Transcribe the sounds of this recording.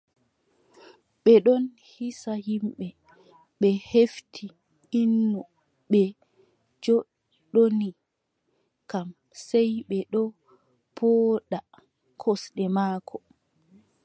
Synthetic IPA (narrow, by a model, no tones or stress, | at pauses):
ɓɛɗɔn | hisahimɓɛ | ɓɛheftʰi | inːu | ɓɛ | d͡ʒɔ | ɗoni | kam | sɛjɓɛɗɔ | pʰɔːɗa | kʰɔsɗɛmaːkʰɔ